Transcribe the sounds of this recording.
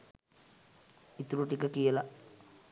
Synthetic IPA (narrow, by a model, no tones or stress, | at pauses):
it̪uɾuʈikəkijəla